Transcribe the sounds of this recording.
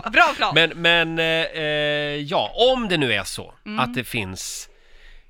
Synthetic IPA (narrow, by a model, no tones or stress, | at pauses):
bɾmɛnmɛn | jɑ̰ːʔɔmd̪ɛnʉ̟ːæʂɔ̰at̪̚d̪ɛfɪns